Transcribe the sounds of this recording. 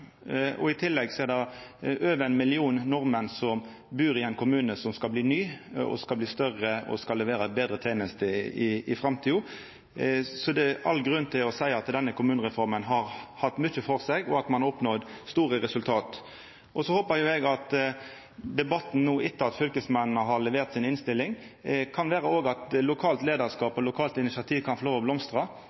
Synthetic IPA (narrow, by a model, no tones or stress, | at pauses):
ɔ̰ɪt̪ʰɪlːɛɡsɔɛʁd̪ɑøːʋəænmɪlɪuːnːɔʁmənsɔm | bʉːɾɪɛɪnkʰʊmʉːnəsɔmskɑlbliːnyːɔ̰skɑlbliːst̪œʁəɔ̰skɑlːɛʋeːɾəbeːd̪ɾət̪ʰeːnəst̪əɪɪfʁɑmt̪ʰiːʊ | sɔd̪ɛʔɑlːɡɾʉnt̪ʰɪlɔsæɪɑt̪d̪ɛnːəkʰʊmʉːnəʁɛfɔʁmənɦɑɾhɑt̪ːmʏçəfɔʁsɛɡɔɑt̪mɑnɔpnɔd̪st̪uːʁəʁɛsʉlt̪ʰɑːt̪ | ʔɔsɔhoːpəɾjʊɛɡɑt̪ | d̪ɛbɑt̪ːn̩nuːʔɪt̪ːəɑt̪fʏlkəsmɛnnəɦɑʁlɛʋeːʁt̪sɪnɪnst̪ɪlːɪŋ | kʰɑnʋæːʁəoːɡɑt̪lʊkʰɑːlt̪leːd̪əʁskɑːpɔlʊkʰɑːlt̪ɪnɪsɑt̪ʰiːʋkʰɑnfɔʁloːʋɔblɔmst̪ʁɑ